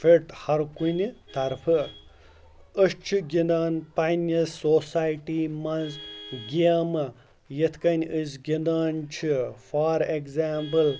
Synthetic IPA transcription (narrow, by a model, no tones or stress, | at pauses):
fʰʲeʈhɐɾkunit̪ɐɾpʰɨ | əʃt͡ʃʰiɡʲind̪aːnpɐjnɐsoːsaːjʈiːmɐnzɡʲiaːmɨ | jet̪ʰkɐnʲəzɡʲind̪aːnt͡ʃʰifaːɾeɡzaːmpɨl